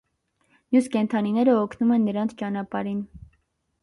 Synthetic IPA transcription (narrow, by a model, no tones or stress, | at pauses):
mjuskɛnt̪ʰɑninɛɾəɔkʰnumɛnːəɾɑnt͡sʰt͡ʃɑnɑpɑɾin